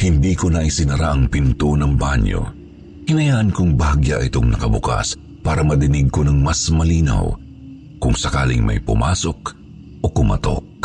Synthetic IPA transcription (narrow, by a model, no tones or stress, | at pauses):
hɪnd̪iːkonɐʔɪsɪnɐɾaʔɐŋpɪnt̪onɐŋbaɲjo̞̰ | hɪnɐjaːʔɐnkʊŋbɐhɐɡjaʔɪt̪o̞ŋnɐkɐbʊka̰s | paːɾɐmɐd̪ɪnɪɡ̚ko̞nɐŋmɐsmɐliːna̰w | kʊŋsɐkaːlɪŋmʔɐ̰jpʊ̰mʔaso̞k̚ | ʔokʊmɐ̰t̪o̞̰k̚